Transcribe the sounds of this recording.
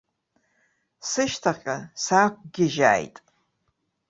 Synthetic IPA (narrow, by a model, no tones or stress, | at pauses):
sɨʃtʰaχʲʼasaːk̚ʷʰʼɡʲɪʒa̰ːjtʼ